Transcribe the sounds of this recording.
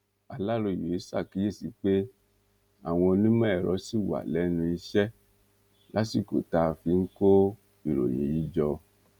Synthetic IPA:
a˨la˦ɾo˧˨jo˨i˦sa˦˨ki˨˦je˦˨si˨˧˦k͡pe˦ | a̰˦˨w̃ɔ̃˧nĩ˦mã˦ɛ˨ɾɔ˨˦si˦˨wa̰˨lɛ˨˦nũ˧i˧ʃɛ˦ | lʔa˦ti˦˨ko̰˨ta˧fi˧ŋ̩˦ko˦ | i˨ɾo̰˨j̃ĩ˨˦ji˦d͡ʒɔ˧

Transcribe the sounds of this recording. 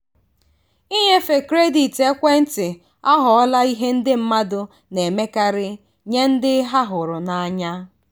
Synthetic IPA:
i˦ɲe˦fe˨kɾe˦di˨te˦kʷe˦n̩˦tɪ˨ | a˦ɦʊ˨ɔ˦la˦i˦ɦe˦n̩˦dɪ˦m̩˦ma˦dʊ˨ | ne˨me˦ka˦ɾɪ˦ | ɲe˦n̩˦dɪ˦ɦa˦ɦʊ˨ɾʊ˨na˨a˨ɲa˦

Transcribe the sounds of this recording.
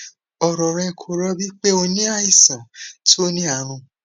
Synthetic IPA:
ɔ˨ɾɔ˨ɾɛ˧˨kʰo˨ɾɔ˧bi˦k͡pe˦o˧nĩ˦a˦i˦˨sã˨to˦nĩ˦a˦˨ɾ̃ũ˧

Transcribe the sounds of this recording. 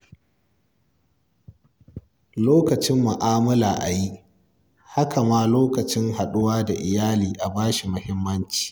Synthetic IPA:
loː˦kɐ˨t͡ʃɪ˦mːʊ˨ʔaː˦mɐ˦laː˨ʔa˨ji˦ʔ | ha˦kʰa˨maː˦loː˦kɐ˨t͡ʃɪ˦ŋha˨ɗʊ˦waː˦da˨ʔɪ˨jaː˦liː˨ʔa˨baː˦ʃi˨mʊ˦hɪ˦mːɐ˦nt͡ʃi̥ː˨

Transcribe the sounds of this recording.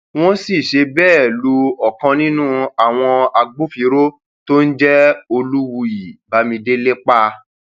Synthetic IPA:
w̃ɔ̃˦si˦˨ʃe˧bɛː˦˨lu˧ɔ˨kɔ̃˧nĩ˦nũ˦a˨w̃ɔ̃˧a˧ɡ͡bo˦fi˧ɾo˦ | to˦n̩˦d͡ʒɛ˦o˧lu˦wu˧i˨ba˨˦mĩ˧de˦le˦k͡pa˦

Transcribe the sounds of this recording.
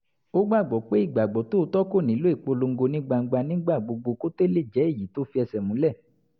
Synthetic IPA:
o˦ɡ͡ba˦˨ɡ͡bɔ˨˦k͡pe˨˦i˦˨ɡ͡ba˨ɡ͡bɔ˨˦to˦˧˦tɔ˦ko˦˨nĩ˨˦lo˦i˦˨k͡po˧lo˧ŋ̩˦ɡo˧nĩ˦ɡ͡ba˧ŋ̩˧ɡ͡ba˧nĩ˦ɡ͡ba˦˨ɡ͡bo˨˧ɡ͡bo˧ko˦te˦le˦˨d͡ʒɛ˨˦e˦˨ji˨˦to˨˦fi˧˦ɛ˧sɛ˨mũ˨˦lɛ˦˨

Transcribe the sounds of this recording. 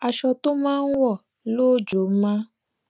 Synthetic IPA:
a˨ʃɔ˧to˦mãː˦n̩˦wɔ˦˨ | lo˦d͡ʒo˨˦mã˦

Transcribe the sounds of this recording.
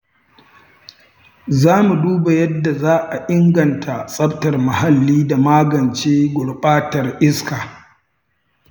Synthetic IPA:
zaː˦mu˨duː˦ba˨jɐ˦dːa˨zaː˦ʔa˨ʔɪ˦ŋɡɐ˨ntʰa˨sʼɐ˦btɐ˨rma˨ha˨lːiː˦da˨maː˦ɡɐ˨nt͡ʃeː˦ɡʷʊ˨lɓʼaː˦tɐ˨rʔɪ˦skaː˨

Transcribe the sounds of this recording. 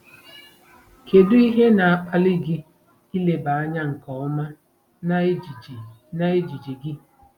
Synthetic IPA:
ke˨dʊ˦i˦ɦe˦na˨a˨k͡pa˦li˦ɡɪ˦ | i˦le˨ba˨a˦ɲa˦ŋ̩˨kɔ˨ɔ˦ma˦ | n˦˨ | na˦e˦d͡ʒi˨d͡ʒi˨ɡɪ˦

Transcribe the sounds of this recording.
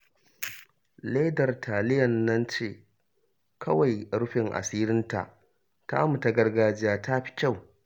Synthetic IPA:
le˦dɐ˨rtʰaː˨lɪ˦jɐ˨nːɐ˦nt͡ʃeː˦˨ | kʰɐ˦wa˨jɾʊ˦ɸɪ˨ŋʔa̰˨siː˦ɾɪ˦nta̰˨ʔ | ta̰˦mu˨ta˦ɡɐ˦rɡaː˦d͡ʒɪ˦jaː˦ta˦ɸi̥˦kʲa˦˨w

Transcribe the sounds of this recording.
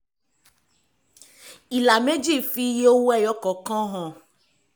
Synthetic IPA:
i˨la˨me˦d͡ʒi˦˨fi˦je˦o˦wɛ˦˨jɔ˦kɔ˨kã˦ɦɔ̃˨

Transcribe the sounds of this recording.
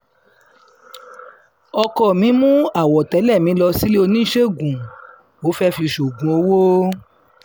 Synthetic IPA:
ɔ˧kɔ˦˨mĩ˨˦mũ˦a˨wɔ˨tɛ˨˦lɛ˦˨mĩ˨˦lɔ˧si˦le˦o˧nĩ˦ʃe˦˨ɡũ˨ | wo˨˦fɛ˦fi˧ʃo˨ɡũ˨o˧wo˦

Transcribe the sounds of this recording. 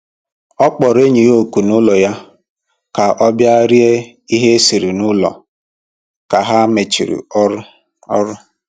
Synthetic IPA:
ɔ˦k͡pɔ˨ɾe˦ɲi˨ɣo˨ku˨nʊ˦lɔ˨ja˦ | ka˨ʔɔ˦bja˦ɾi˦e˦ | i˦ɦe˦si˨ɾi˨nʊ˦lɔ̰˨ | ka˨ɦa˦me˨t͡ʃḭ˨ɾḭ˨˦ | ɔ˦ɾʊ˦

